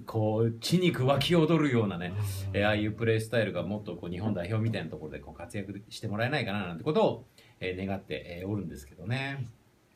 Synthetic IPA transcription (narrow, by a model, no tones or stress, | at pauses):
kʰo̞ːt͡ɕiɲ̟ikɯ̟βakʲio̞d̪o̞ɾɯ̟jo̞ːnaneeːaːjɯ̟ːpɯ̟ɾe̞sɨ̥t̪aiɾɯ̟ɡamo̞t̪ːo̞ko̞ːɲ̟iɦõ̞nd̪aiço̞ːmʲit̪ainat̪oko̞ɾo̞d̪e̞ko̞ːkat͡sɨjakɯ̟ɕi̥t̪e̞mo̞ɾae̞naikananant̪eko̞t̪o̞ː | eːne̞ɡat̪ːe̞̰ʔeoɾɯ̟̃nd̪e̞sɨ̥ke̞d̪o̞ne̞